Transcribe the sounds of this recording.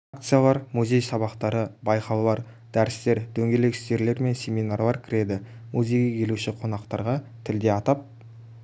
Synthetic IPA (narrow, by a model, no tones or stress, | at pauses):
ak̚t̪sɨjalˠɑɾmuzʲe̞jsɑβɑqt̪ɑɾəbɑjqɑwlˠɑɾ | d̪̥æɾɪst̪e̞ɾd̪̥ɵŋɡʲe̞le̞kʲɪ̥st̪e̞ɾle̞ɾme̞nsʲe̞mʲijnarlˠɑɾkʲʰɪɾe̞d̪ɪmuzʲe̞jɡʲekʲʰe̞luʃɪqʰo̞nɑqt̪ɑɾʁɑt̪ʰɪld̪e̞ɑt̪ɑp̚